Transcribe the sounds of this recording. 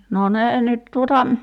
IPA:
no neː nyt tuotɑ

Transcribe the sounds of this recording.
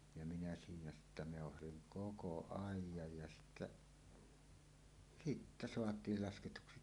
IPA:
jɑ minæ siːnæ sitːæ meˑohɑsiŋ koko ɑˑijˑɑj jɑ sitːæ sitːæ soɑtˑiːl lɑsketuksi

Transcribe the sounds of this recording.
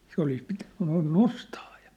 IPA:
se olis pitæ̥n̥ noin nostɑː jɑ̥

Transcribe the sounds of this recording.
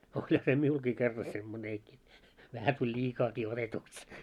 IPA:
olʲhɑ se miulkiː kerːɑ semːoneːki ʋæhæ tulʲ lʲiːkɑːkiː otetuks

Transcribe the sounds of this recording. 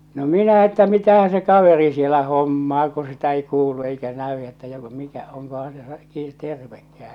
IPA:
no minæ etːæ mitæhæ se kɑʋeri sielæ homːɑː ku sitæ ei kuːlu eikæ næy etːæ joko mikæ oŋkohɑ̃ː se ki terʋekːæː

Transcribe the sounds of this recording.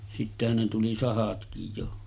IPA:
sitːehæn ne tuli sɑhɑtkij jo

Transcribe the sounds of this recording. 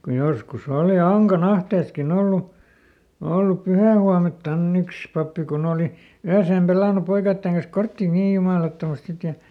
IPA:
kuj joskus oˑli ɑŋkɑn ɑhteːskin olːu olːup pyhæˑhuɑmeltːɑnː yks pɑpːi kun oːli yæseːm pelɑˑnu poikɑitːeŋ kɑns kortːiˑ niː jumɑˑlɑtːomɑst sit

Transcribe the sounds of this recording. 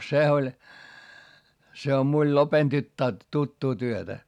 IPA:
se olʲ se om miul lopen tytːæː tutːuː tyøtæ

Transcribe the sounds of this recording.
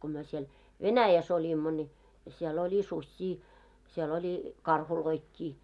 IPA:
ko myø siel ʋenæjæs olʲimːo nʲi siel olʲi susʲːiː siel olʲi kɑrhuloikːiː

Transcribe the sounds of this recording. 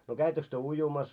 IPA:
no kæitːøks tyø ujumɑs

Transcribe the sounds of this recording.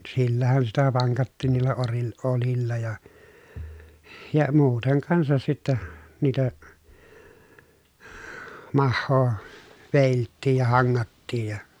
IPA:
silːæhæn sitæ ʋɑŋkɑtːiːn niːlːæ oril olilːɑ jɑ jɑ muːteŋ kɑnsɑs sitːæ niːtæ mɑhːoː ʋeˑiltːiːj jɑ hɑŋːɑtːiːj jɑ

